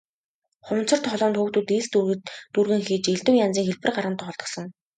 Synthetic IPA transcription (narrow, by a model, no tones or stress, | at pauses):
χʊm̥t͡sɞ̆r̥t̪χɔɮɔːnt̪xuːkt̪uːt̪ist̪t̪urɣɘ̆ŋxiːt͡ɕeɮt̪ŭːŋjant͡siːŋxeɮpɘ̆rɢaɾʁə̆nt̪ʰχɔɮt̪ɞ̆sɞ̆ŋ